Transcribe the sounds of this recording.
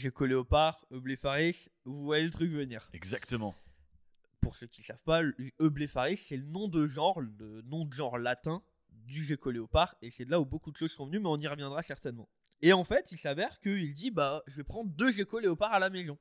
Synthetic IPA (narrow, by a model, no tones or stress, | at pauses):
ʒekɔleopaʁøblefaʁis | vuvwajelət̪χykvəniːʁɛɡzakt̪əmɑ̰̃ | puʁsøkʲilsavpaløblefaʁisːɛlənɔ̃d̪əʒɑ̃ʁlənɔ̃d̪əʒɑ̃ʁlat̪ɛ̃ | d̪yʒekɔleopaʁesɛd̪əlaubokud̪əʃozsɔ̃vənymɛɔ̃niʁəvjɛ̃d̪ʁasɛʁt̪ɛnmɑ̃ | eɑ̃fɛt̪ilsavɛʁkəild̪ibaʒəvɛpχɑ̃d̪ʁd̪øʒekɔleopaʁalamezɔ̃